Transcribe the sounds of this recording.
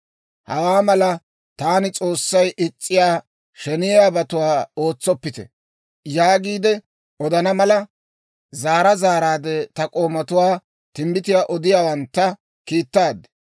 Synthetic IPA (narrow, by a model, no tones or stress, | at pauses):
hɐwaːmɐlɐ | t̪aːnɪt͡sʼo̞ːsːɐjʔɪt͡sʼːɪjaː | ʃɛnɪjaːbɐt̪ʊwaːo̞ːt͡sːɔpːɪt̪ɛ̰ | jaːɡiːd̪ɛ | ɔd̪ɐnɐmɐlɐ | zaːɾɐzaːɾaːd̪ɛt̪ɐkʼo̞ːmɐt̪ʊwaː | t̪ɪmbɪt̪ɪjaːʔɔd̪ɪjaːwɐnt̪ːɐ | kiːt̪ːaːd̪ɛ